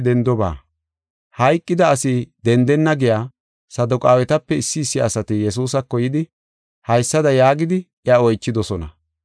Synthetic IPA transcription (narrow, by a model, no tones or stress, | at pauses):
d̪ɛnd̪ɔba̰ː | hɐjkʼːɪd̪ɐːsɪd̪ɛnd̪ɛnːɐɡɪjaː | sɐd̪ʊkʼaːwɛt̪ɐpːɛɪsːɪːsːɪɐ̰sɐt̪ɪjɛs̬uːsɐkːɔjɪd̪ɪ | hɐjsːɐd̪ɐjaːɡɪd̪ɪʔɪjɐɔjt͡ʃːɪd̪ɔsɔnɐ̰